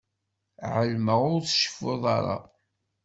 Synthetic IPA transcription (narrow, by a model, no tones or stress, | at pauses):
ʕəlməʁʊɾθə̥ʃə̥foðˤɑɾˤɑ̰